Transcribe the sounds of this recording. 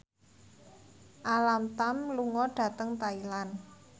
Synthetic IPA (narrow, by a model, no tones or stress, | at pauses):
ʔalamt̪amluŋɔɖ̥ä̤t̪əŋt̪ailan